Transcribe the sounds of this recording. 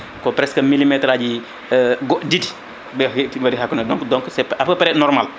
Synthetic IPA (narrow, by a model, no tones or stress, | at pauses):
kɔpɾɛskəmilːimɛtɾaɟi | ɡɔdid | bɛbɐdihakːunɐdɔ̃ŋkdɔŋksɛpapɐpɐɾɛnɔɾmal